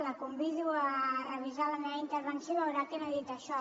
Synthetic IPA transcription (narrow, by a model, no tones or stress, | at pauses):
ləkumbiðuərəβizaləmɛβint̪əɾβənsjoβəwɾakenaðit̪əʃɔ